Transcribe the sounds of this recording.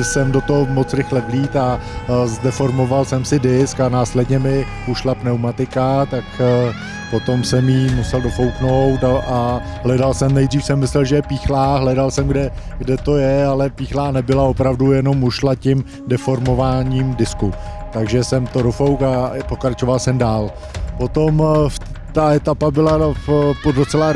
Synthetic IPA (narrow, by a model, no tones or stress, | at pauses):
sɛmdo̞t̪oɦomot͡sɾɪxlɛvliːt̪a | zdɛfo̞ɾmo̞valsɛmsɪdɪskanaːslɛdɲɛmɪ | uʃlapnɛwmat̪ɪkat̪ak | po̞t̪o̞msɛmjiːmusɛldo̞fo̞wkno̞wt̪aʔa | ɦlɛdalsɛmnɛjd̪riːfsɛmːɪslɛlʒɛjɛpiːxlaːɦlɛdalsɛmɡdɛɡdɛt̪o̞jɛalɛpiːxlaːnɛbɪlao̞pɾavdujɛno̞muʃlacɪm | dɛfo̞ɾmo̞vaːɲiːmdɪsku | t̪aɡʒɛsɛmt̪o̞do̞fowkapo̞kɾat͡ʃovalsɛmdaːl | po̞t̪o̞mft̪aɛt̪apabɪlapodot͡sɛla